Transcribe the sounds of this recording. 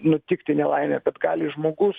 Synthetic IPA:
nʊt̪ʲɪkt̪ʲɪnʲɛlˠɐɪnʲɛkɐt̪ɡɑːlʲɪʒmoːɡʊs

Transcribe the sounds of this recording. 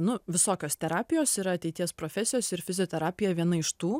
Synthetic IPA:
nʊʋʲɪsoːkʲoːst̪ʲɛɾɑːpʲɪjoːsiːɾɐɐt̪ʲɛɪt̪ʲiɛspɾoːfʲɛsʲɪjoːsɪɾfʲɪzʲɪjoːt̪ʲɛɾaːpʲɪjɛʋʲiɛnɐɪʃt̪uː

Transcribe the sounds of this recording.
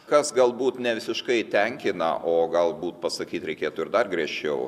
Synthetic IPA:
kɐsɡɐlˠbuːt̪nʲɛʋʲɪsʲɪʃkɐɪt̪ʲɛŋʲkʲɪnɐ̰ʔoːɡɐlˠbuːt̪̚pɐsɐkʲiːt̪ɾʲɛɪkʲeːt̪ʊːɪɾd̪ɐrɡɾʲɛʃʲt͡ʃʲɛʊ

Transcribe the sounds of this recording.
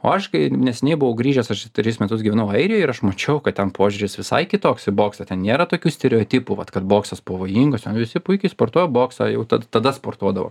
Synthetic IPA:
o̰ːɐʃkɐɪnʲɛsʲɛnʲɛɪbʊʋɐʊɡɾʲiːʒʲɛsɐʃʲt̪ɾʲɪsmʲɛt̪ʊsɡʲiʋʲɛnɐʊɐɪɾʲɪjoːɪɾɐʃmɐt͡ʃʲɛʊkɐt̚tʲɛnpʰoːʒʲuɾʲɪsʋʲɪsɐ̰ɪkʲɪt̪oːksɪboːksɐːt̪ʲɛnnʲeːɾɐt̪oːkʲuːsʲt̪ʲɛɾʲɛoːt̪ʲiːpuʋɐt̪kɐt̪boːksɐspɐʋoːjiːŋɡɐst̪ʲɛnʋʲɪsʲɪpʊɪkʲɛɪspoːrt̪oːjoboːksɑ̰ːjɛʊt̪ɐt̪ɐd̪ɐspoːrt̪uɔd̪ɐʋo̰

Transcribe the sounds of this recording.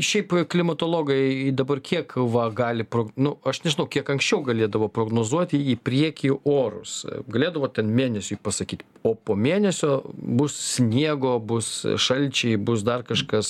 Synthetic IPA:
ʃʲɛɪpklʲɪmɐt̪oːlˠoːɡɐɪd̪ɐbɐrkʲiɛkʋɐɡɑːlʲɪpɾoːɡnʊɐʃnʲɛʒʲɪnɐʊkʲiɛkɐŋksʲt͡ʃʲɛʊɡɐlʲeːd̪ɐʋoːpɾoːɡnoːzuɔt̪ʲɪipʲɾʲiɛkʲiʔoːɾʊ̰sɡɐlʲeːd̪ɐʋoːt̪ʲɛnmʲeːnʲɛsʲʊpɐsɐkʲiːt̪ʲ | oːpoːmʲeːnʲɛsʲoːbʊssʲnʲiɛɡoːbʊsʃɐlʲt͡ʃʲɛɪbʊs̬d̪ɐrkɐʃkɐs

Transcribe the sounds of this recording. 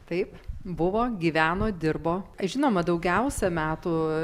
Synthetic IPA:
t̪ɐɪpbʊʋoːɡʲiːʋʲæːnoːd̪ʲɪrboːɐʒʲɪnoːmɐd̪ɐʊɡʲɛʊsʲɛmʲæːt̪u

